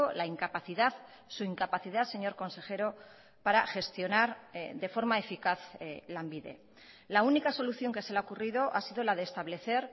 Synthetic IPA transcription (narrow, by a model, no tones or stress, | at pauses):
olaiŋkapaθiðað | suiŋkapaθiðase̞ɲo̞ɾko̞nse̞xe̞ɾo̞ | paɾaxe̞st̪jo̞naɾðe̞fo̞ɾmaefikaθlambiðḛ | launikaso̞luθjo̞ŋke̞selaokurið̞o̞ʔasiðo̞laðe̞ːst̪aβle̞θe̞ɾ